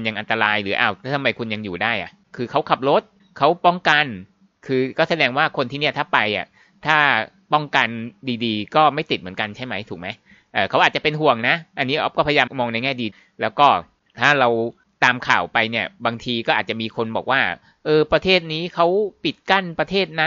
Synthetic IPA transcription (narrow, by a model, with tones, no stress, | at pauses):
nja˧ŋʔa˧nt̪a˧ɾaː˧jlɯː˩˦ʔaː˧˩wt̪ʰa˥˩t̪ʰa˧mːa˧jkʰu˧nja˧ŋjuː˨˩daː˥˩jʔa̰˨˩ʔkʰɯː˧kʰa˦˥wkʰa˨˩p̚ɾo˦˥t̪̚ | kʰa˦˥wpɔ˥˩ŋka˧n | kʰɯː˧kɔː˥˩sa˧dɛː˧ŋwaː˥˩kʰo˧nt̪ʰiː˥˩ni˥˩ɐt̪ʰaː˥˩pa˧jʔa̰˨˩ | t̪ʰaː˥˩ | pɔ˥˩ŋka˧ndiː˧diː˧kɔː˥˩ma˥˩jt̪i˨˩m˩˦nka˧nt͡ɕʰa˥˩jma˦˥jt̪ʰuː˨˩k̚ma˦˥j | ʔɤː˨˩kʰa˦˥wʔaː˨˩t̚t͡ɕa˨˩pe˧nɦu˨˩əŋna˦˥ʔa˧nːiː˦˥ʔɔ˦˩p̚kɔː˥˩pʰa˧jjaː˧mmɔː˧ŋna˧jŋɛː˥˩diː˧ | lɛː˦˥wkɔː˥˩ | t̪ʰaː˥˩ɾa˧w | t̪aː˧mkʰaː˨˩wpa˧jni˥˩ɐbaː˧ŋt̪ʰiː˧kɔː˥˩ʔaː˨˩t̚t͡ɕa˨˩miː˧kʰo˧nbɔː˨˩k̚waː˥˩ | ʔɤː˧pɾa˧t̪ʰeː˥˩t̪̚niː˦˥kʰa˦˥wpi˨˩t̪̚ka˥˩npɾa˧t̪ʰeː˥˩t̪̚na˦˥